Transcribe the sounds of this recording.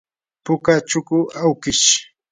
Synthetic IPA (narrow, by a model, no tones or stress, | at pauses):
pʊkat͡ʃʊkʊawkɪʃ